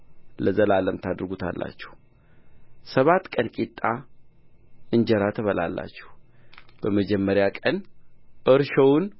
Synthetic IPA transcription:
ləzəlaləmt̪ʰad̪ɾɡut̪ʰa̰lːa̰t͡ʃːɛ̥h | səβat̪ːkʼənkʼit̪ʼːa | ɨnd͡ʒɛɾat̪ʰəβəla̰lːa̰t͡ʃːɛ̥hb̥əməd͡ʒɛmːəɾjakʼənʔɨɾʃəwʊn

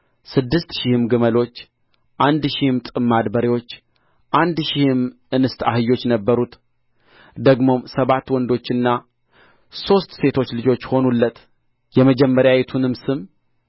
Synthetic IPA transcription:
sɨd̪ːɨst̪ʃɪhɨmɡɨməlo̞t͡ʃː | ʔand̪ʃihɨmt̪ʼɨmːad̪bəɾewo̞t͡ʃː | ʔand̪ʃɪhɨm | ɨnɨst̪a̰hɨjːo̞t͡ʃːnəbːəɾut̪ | d̪əɡmo̞msəβat̪ːwɔnd̪o̞t͡ʃːɨnːa | so̞st̪se̞t̪ʰo̞t͡ʃːlɨd͡ʒo̞t͡ʃːho̞nulːət̪ | jɛməd͡ʒɛmːəɾjajɛt̪ʰunɨmsɨm

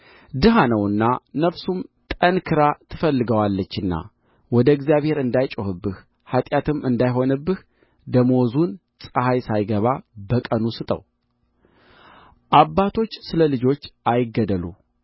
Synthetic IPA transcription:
d̪ɨɦanəwɨnːanəfsumt̪ʼənkʰɨɾat̪ʰɨfəlːɨɡəwalːət͡ʃːɨnːa̰ | wɔd̪əɡzjaβhe̞ɾɨnd̪ajt͡ʃʼohɨbːɨh | hat̪ʼjat̪ʰɨmɨnd̪ajɦo̞nɨbːɨh | d̪əmo̞zun | sʼəhajsajɡəβabəkʼənusɨt̪ʼə̰w | ʔabːat̪ʰo̞t͡ʃːsɨləlɨd͡ʒo̞t͡ʃːajɪɡəd̪əlṵ

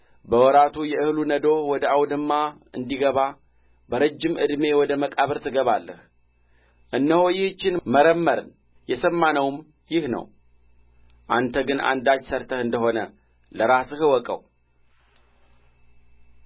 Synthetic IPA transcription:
bəwɔɾat̪ʰujɛɨhlunəd̪o̞wɔd̪əawd̪ɨmːa | ɨnd̪iɡəβa | bəɾəd͡ʒːɪmɨ̰d̪me̞wɔd̪əməkʼaβəɾt̪ʰɨɡəβalːəh | ʔɨnːəhojɪht͡ʃːɪnməɾəmːəɾɨ̰n | jɛsəmːanəwm | jɪhnə̰w | ʔant̪ʰəɡɨnʔa̰nd̪ad͡ʒsəɾt̪ʰəhɨnd̪əho̞nə | ləɾasɨhɨwɔkʼə̰w

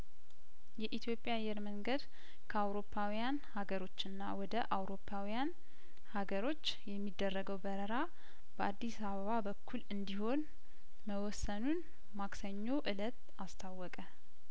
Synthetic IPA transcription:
jɛʔit̪ʰjo̞pʼjajːɛɾməŋɡəd̪ | kʰəawɾo̞pʰːawijanhaɡəɾo̞t͡ʃːɨnːa̰wɔd̪əʔawɾo̞pʰːawijan | haɡəɾo̞t͡ʃːjɛmːid̪ːərːəɡəwbəɾəɾa | b̥əʔad̪ːisaβəβabəkʰːulɨnd̪iho̞n | məwɔsːənun | maksəɲːoʔɨlət̪ | ast̪ʰawːɔkʼə

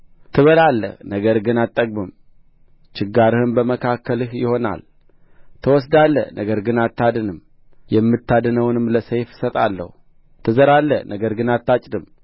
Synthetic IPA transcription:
t̪ʰɨβəlalːə̰hnəɡəɾɡɨnat̪ʼːəɡ̚ʼbɨm | t͡ʃɪɡːaɾɨhɨnbəməkʰakʰːəlɨhjɪho̞na̰l | t̪ʰəwɔsd̪alːə̰nʔəɡəɾɡɨnat̪ʰːad̪ɨnɨm | jɛmːɨt̪ʰːad̪ɨnəwnɨmləsejfsət̪ʼa̰lːə̰hu | t̪ʰɨzəɾalːə̰nʔəɡəɾɡɨnat̪ːat͡ʃʼd̪ɨm

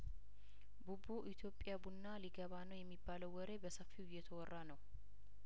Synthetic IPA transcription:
bubuʔit̪ʰjo̞pʼːɪjabunːaliɡəβanəwjɛmːibːaləwwːɔɾe̞bəsəfːiʊjːɛt̪ʰəwɔrːanəw

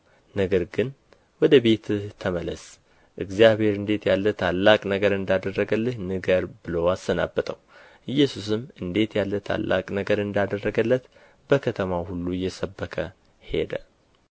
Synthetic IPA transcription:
nəɡəɾɡɨn | wɔd̪əbe̞t̪t̪ʰːəmələs | ʔɨɡzijaβhe̞ɾɨnd̪e̞t̪jalːət̪ʰalːakʼnəɡəɾɨnd̪ad̪ərːəɡəlːəɲnɨɡəɾbɨləwasəna̰bːət̪ʼəw | ʔɨjːɛsus̬ɨmɨnd̪e̞t̪jalːət̪ʰa̰lːʔa̰kʼnəɡəɾɨnd̪ad̪ərːəɡəlːət̪ | b̥əkʰət̪ʰəmahulːujɛsəbːəkʰə | he̞̰d̪ə

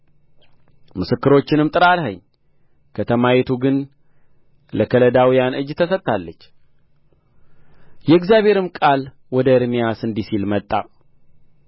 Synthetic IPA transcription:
mɨsɨkːɨɾo̞t͡ʃːɪnɨmt̪ʼɨɾalɦəɲː | kʰət̪ʰəmajɛt̪ʰuɡɨn | ləkʰələd̪awijanʔɨd͡ʒːt̪ʰəsət̪ʼːalːət͡ʃː | jɛɨɡzjaβhe̞ɾɨmkʼal | wɔd̪əɨɾmijasɨnd̪isilmət̪ʼːa

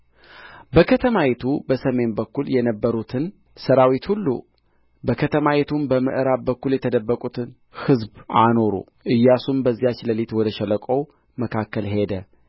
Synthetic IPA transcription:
bəkʰət̪ʰəmawet̪ʰubəsəme̞nbəkːuljɛnəbːəɾut̪ʰɨn | səɾawit̪hulːṵ | bəkʰət̪ʰəmawet̪ʰumbəmɨ̰ʔɨɾabbəkːuljɛt̪ʰəd̪əbːəkʼut̪ʰɨn | hɨzbʔano̞ɾṵ | ʔɨjːasumbəzːijat͡ʃːləlit̪wɔd̪əʃɛləkʼow | məkʰakːəlɦe̞d̪ə

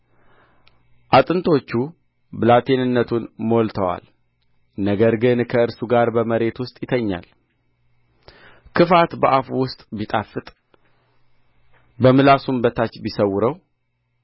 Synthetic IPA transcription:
ʔat̪ʼɨnt̪ʰo̞t͡ʃːu | bɨlat̪ʰe̞nɨnːət̪ʰunmolt̪ʰəwa̰l | nəɡəɾɡɨnkʰəɨɾsuɡaɾbəməɾe̞t̪wʊst̪ʼjɪt̪ʰəɲːa̰l | kʰɨfat̪bəʔafuwʊst̪ʼbit̪ʼafːɨt̪ʼ | bəmɨlasunbət̪ʰat͡ʃbisəwːʊɾəw

